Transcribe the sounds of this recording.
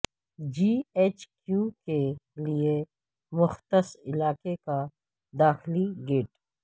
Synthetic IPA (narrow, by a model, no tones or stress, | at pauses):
d͡ʒiːeːt͡ʃkjuːkelie | mʊxt̪əsɪlaːkeka | d̪aːxɪliɡeːʈ